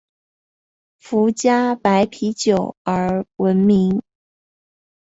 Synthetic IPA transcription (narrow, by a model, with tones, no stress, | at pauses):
fu˧˥t͡ɕja˥pa˧˥ɪpʰi˧˥t͡ɕjo˨˩ʊə˞˧˥wə˧˥nmi˧˥ŋ